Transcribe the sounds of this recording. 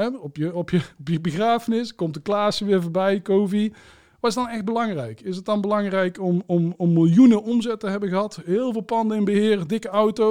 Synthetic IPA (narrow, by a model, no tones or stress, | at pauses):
ɛɔpjəɔpjəbbəɣraːfənɪskɔmtdəklaːsəʋɪːɹvʊːɹbɛjkowvi | ʋɑtɪsdɑnɛxd̚bəlɑŋrɛjkɪs̬ət̚dɑnbəlɑŋrɛjkɔmɔmɔmːɪlˠjunəʔɔmzɛtəɦɛbəɣəɦɑtɦɪːlˠvɪːlˠpɑndəɪnbəɦɪːrdɪkəʌwto